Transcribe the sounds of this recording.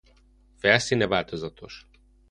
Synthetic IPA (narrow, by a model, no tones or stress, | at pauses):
fɛlsinɛvaːlt̪ozɒt̪ʰo̰ʃ